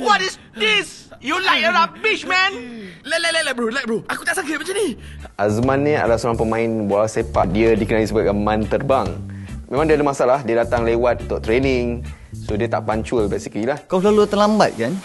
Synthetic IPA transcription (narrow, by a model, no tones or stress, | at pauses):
wɔtis | disjulajk̚əɾabit͡ʃmɛ̃nlalalajlabɾulajk̚ɾuakut̪aʔsak̬it̪̚mat͡ʃaniʔazmanːia̰dasoɾaŋpəmãinbaaasepa̰t̪̚diədikənalisəbat̚kamãnt̪ərbaŋmẽmaŋdiadəmasaalahdiədat̪aŋlewat̪̚ːɔʔt̪ɾeniŋ | sodiət̪a̰ʔpaɲt͡ʃulbɛsiklilahkawsəlalut̪əlamba̰t̪̚kan